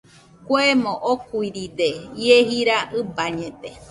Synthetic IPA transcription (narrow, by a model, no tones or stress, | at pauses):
kʷemõʔokuiɾid̪ejeɦiɾaʔɨbaɲẽt̪e